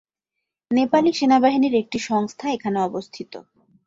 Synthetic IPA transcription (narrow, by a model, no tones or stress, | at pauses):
nepaliʃenabaɦiniɾek̚ʈiʃɔŋst̪ʰaekʰaneɔbost̪ʰit̪o̰